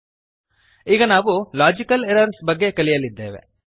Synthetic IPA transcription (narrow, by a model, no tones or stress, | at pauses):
iːɡɐnaːʋulaːd͡ʒikɐleɾɐɾsbɐɡːe̞kɐɭijɐlːid̪ːeːʋḛ